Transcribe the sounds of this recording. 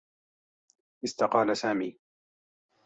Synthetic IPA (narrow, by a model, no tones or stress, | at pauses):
ʔɪst̪aqɑːlasaːmḭː